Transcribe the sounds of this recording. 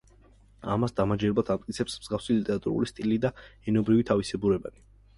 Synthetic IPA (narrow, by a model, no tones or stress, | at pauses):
a̰masd̪amad͡ʒɛɾbat̪ʰamt̪ʼkʼit̪sʰɛpsmz̥ɡafsilit̪ʼɛɾat̪ʼṵɾṵlist̪ʼilid̪aɛnɔbɾivit̪ʰavisɛbuɾɛba̰ni